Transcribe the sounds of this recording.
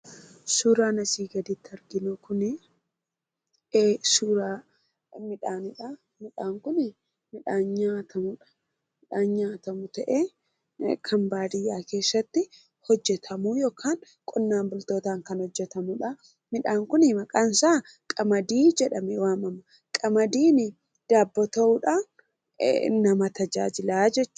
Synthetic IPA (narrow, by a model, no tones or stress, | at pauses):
suːɾaːnɐsiːɡɐd̪ɪt̪ːɐɾɡɪnukʊnɪ | ʔeːsuːɾaː | mɪᶑaːnɪᶑɐ | mɪᶑaːŋkʊnɪ | mɪᶑaːɲɲaːt̪ʰɐmʊᶑɐ̥ | mɪᶑaːɲɲaːt̪ɐmʊt̪ɐʔeː | kʰɐmbaːd̪ɪjaːke̞ːsːɐt̪ːɪ | hɔd͡ʒːɛt̪ʰɐmuːjoːkʰaːŋ | kʼɔnːaːmbʊlt̪o̞ːt̪aːŋkɐnhɔd͡ʒːɛt̪ɐmʊᶑɐ | mɪᶑaːŋkʊnɪmɐkʼansaː | kʼɐmɐd̪iːd͡ʒɛᶑɐmɛwaːmɐmːɐ | kʼɐmɐd̪iːnɪ | d̪̥aːbːɔt̪ɐʊᶑaːn̰ | nɐmɐt̪ɐd͡ʒa̰ːd͡ʒɪlaːd͡ʒɛt͡ʃː